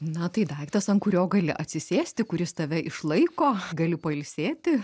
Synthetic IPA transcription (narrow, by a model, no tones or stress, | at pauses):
nɐt̪ɐɪd̪ɐɪkt̪ɐsɐŋkʊɾʲoːɡɐlʲɪ̰ʔɐt̪ʲsʲɪsʲeːsʲt̪ʲɪkʊɾʲɪst̪ɐʋʲɛʔɪʃlˠɐɪkoːɡɐlʲɪpɐɪlʲsʲeːt̪ʲɪ